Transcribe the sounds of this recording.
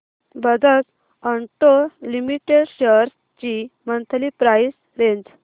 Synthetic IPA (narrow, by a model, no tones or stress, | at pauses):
bəd͡z̪ət͡s | əɳʈolimiʈeɽɕəɾs | t͡ɕimənt̪ʰlipɾajs | ɾeɲd͡z